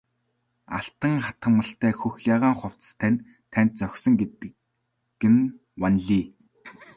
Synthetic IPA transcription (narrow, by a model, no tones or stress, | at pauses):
a̰ɬt̪ə̆ŋχat̪ə̆mːə̆ɬt̪æːxɵxjaːʁaːŋχʊw̥t͡st̪ʰænʲ | t̪ʰæn̥ʲt̪̚t͡sœxʲsɵ̆ŋɡet̪ | ɡɘ̆n | wanɮiː